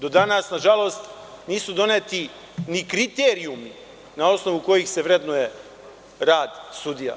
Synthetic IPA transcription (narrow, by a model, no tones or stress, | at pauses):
d̪o̞d̪anasnaʒalˠo̞ːst̪ | niːsud̪o̞neːt̪i | nikɾit̪eːɾiumi | nao̞sno̞ʋuko̞jixse̞ʋɾe̞d̪noje | ɾaːd̪sud̪ija̰